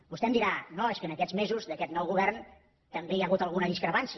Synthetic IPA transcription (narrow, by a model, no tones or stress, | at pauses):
bust̪ɛmd̪iɾanoeskənəkɛd͡zmezuzðəkɛt̪nɔwɣuβɛrn | t̪əmbejaɣut̪əlˠɣunəðiskɾəpans